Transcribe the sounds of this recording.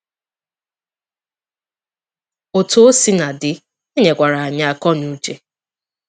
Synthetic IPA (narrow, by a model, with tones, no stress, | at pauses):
o˨to˦o˦si˦na˨dɪ˨ | e˦ɲe˨kʷa˨ɾa˨a˨ɲa˦a˨kɔ˦nu˦t͡ʃe˨